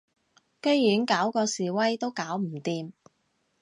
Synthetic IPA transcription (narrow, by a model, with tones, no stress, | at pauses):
kɵ˥jjyː˨˥nkaː˨˥wkɔː˧siː˨wɐ˥jt̪o˥wkaː˨˥wm̩˨˩t̪iː˧m